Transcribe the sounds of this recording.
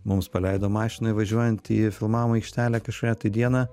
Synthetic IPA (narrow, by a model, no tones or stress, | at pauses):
mʊmspɐlʲɛɪd̪oːmɑːʃʲɪnɐɪʋɐʒʲuɔjɛnt̪ifʲɪlˠmɑːʋmɐɐɪkʃʲt̪ʲæːlʲæːkɐʃkːjʲɛt̪ɐɪd̪ʲiɛnɑ